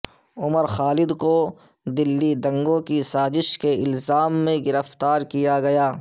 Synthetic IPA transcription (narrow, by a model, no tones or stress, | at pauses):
ʊməɾxaːlɪd̪ko | d̪ɪlːid̪ɐ̃ŋɡõkisaːzɪʃkeɪlzaːmːẽɡɪɾəft̪aːɾkijaɡɐjaː